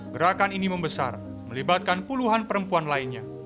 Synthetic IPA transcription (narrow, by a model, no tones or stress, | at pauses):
ɡəɾakaniniməmbəsa̰r | məlibat̪̚kanpuluɦanpəɾəmpuanlainɲa